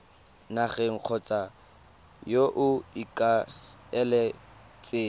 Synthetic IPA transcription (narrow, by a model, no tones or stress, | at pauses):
naχɛŋ̩q͡χʰɔt͡sʼa | joʔʊikʼa | ɛlɛ | t͡sʼeː